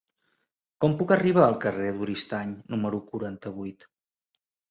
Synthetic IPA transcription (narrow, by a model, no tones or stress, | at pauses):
kɔmpukəriβ̞aːlˠkəreðuɾist̪aɲnuməɾukuɾant̪əβ̞ujt̪